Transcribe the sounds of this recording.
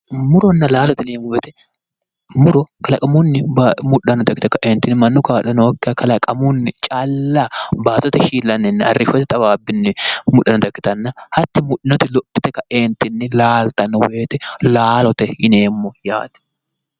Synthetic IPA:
mʊɾɔnːɐlaːlɔt̪ɪneːɡʊwɛt̪ɛ | mʊɾɔkɐlɐkʼɐmunːɪbamʊᶑɐnɔd̪ɐkːɪt̪ɛkɐʔeːnt̪ɪnːɪmɐnːʊkaːᶑɐnɔwɔkːɐkɐlɐkʼɐmunːɪt͡ʃʼalːaːbaːt̪ɔt̪ɛʃiːlːɐnɛnːɪɐ̰rːɪfɔt̪ɪt̪ʼɐbaːbːɪnːɪmʊᶑːɐnɔd̪ɐkːɪ̥t̪ɐnːɐhɐt̪ːɪmʊᶑɪnɔt̪ɪlɔpːɪt̪ɛkɐʔeːnt̪ɪnːɪlaːlt̪ɐnːɔwe̞ːt̪ɛlaːlɔt̪ɛɪneːmːɔja̰ːt̪ɛ̥

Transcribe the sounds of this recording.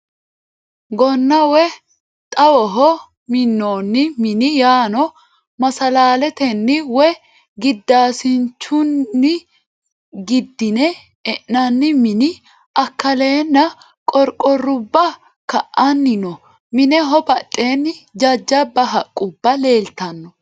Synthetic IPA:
ɡɔnːɐwɛ | t̪ʼɐwɔɦɔ | mɪnːoːnːɪmɪnɪjaːnɔ | mɐsɐlaːlɛt̪ɛnːɪwɛ | ɡɪd̪ːaːsɪnt͡ʃːʊnːɪ | ɡɪd̪ːɪnɛ | ɛʔnɐnːɪmɪnɪ | ɐkːɐle̞ːnːɐ | kʼɔɾkʼɔrʊbːɐ | kɐʔɐnːɪnɔ | mɪnɛɦɔbɐt̪ʼːeːnːɪd͡ʒɐd͡ʒːɐbɐɦɐkʼːʊbːɐle̞ːlt̪ɐnːɔ

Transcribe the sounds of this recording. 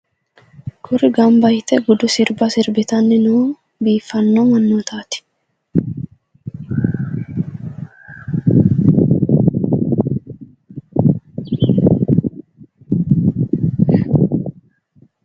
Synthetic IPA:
kʰʊɾɪɡɐmbɐjɪt̪ːɛɡʊd̪ʊsɪɾbɐsɪɾbɪt̪ɐnːɪnuː | biːfːɐnːɔmɐnːoːt̪aːt̪ɪ̥

